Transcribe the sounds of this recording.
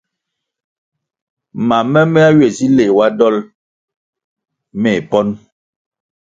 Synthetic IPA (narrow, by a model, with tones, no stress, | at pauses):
ma˨mɛ˦me˦a˦ɥe˨si˦le˨wa˦dɔ˦l | mɛ˨pɔ˦n